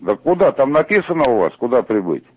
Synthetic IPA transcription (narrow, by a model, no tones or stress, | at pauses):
d̪əkːʊd̪at̪amnɐpʲisənəʊva̰skʊd̪apɾʲɪbɨ̰tʲ